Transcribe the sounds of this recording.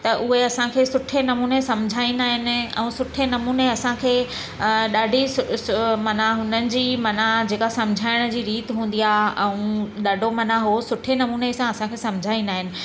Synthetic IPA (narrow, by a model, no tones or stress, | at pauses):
t̪ɐʔʊɦeɐsãkʰeːsʊʈʰenɐmuːnesɐ̃md͡ʑʱaːĩnaːɦɪnɪ̆ɛ̰̃ũsʊʈʰenɐmuːneɐsãkʰeː | ɗaːɖʱisʊmɐnaɦʊnənɪ̆d͡ʑiːmɐnad͡ʑeːkasɐ̃mɪd͡ʑʱaːɪɽ̃d͡ʑiːɾiːt̪ɪɦũːn̆d̪ijaɛ̃ũɗaːɖʱomɐnaɦosʊʈʰenɐmuːnesãɐsãkʰeːsɐ̃mɪd͡ʑʱaːĩnaːɦɪnɪ̆